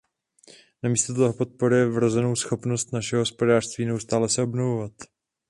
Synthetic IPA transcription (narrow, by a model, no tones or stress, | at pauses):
namiːst̪ot̪oɦopo̞t̪̚po̞ɾɪjɛvɾozɛno̞wsxo̞pno̞st̪naʃɛɦoɦo̞spo̞daːr̝̥st̪viːnɛust̪aːlɛsɛʔo̞bnovovat̪